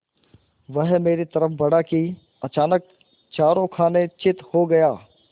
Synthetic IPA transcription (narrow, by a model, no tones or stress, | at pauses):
ʋɐɦmeːɾit̪ɐɾəfbɐɽaki | ɐt͡ʃaːnək̚ | t͡ʃaːɾõkʰaːnet͡ʃɪt̪hoɡɐjaː